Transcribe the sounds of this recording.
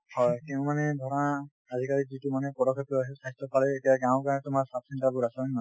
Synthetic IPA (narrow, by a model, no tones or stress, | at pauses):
hɔjkɛʊ̃manɛdʱɔɹɔnaː | dʱikaɹizitumanɛpɔdɔkʰːɔplɔasɛsʰajstɔpalɛetijaɡãʊ̃kanɛtʊmaɹsatsintabuɹasɛnɔ